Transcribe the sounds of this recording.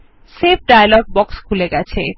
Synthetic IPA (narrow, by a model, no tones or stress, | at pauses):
sep̚ʰɖajalɔɡ̚bɔkskʰulekat͡sʰḛ